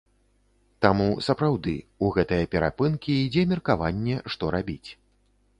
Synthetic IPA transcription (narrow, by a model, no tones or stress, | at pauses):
t̪amusɐpɾawd̪ɨ̰uɣɛt̪ɨjɐpʲɛɾa̰pɨnkʲiːd͡zʲɛmʲirkavanʲːɛʂt̪ɔɾabʲit͡sʲ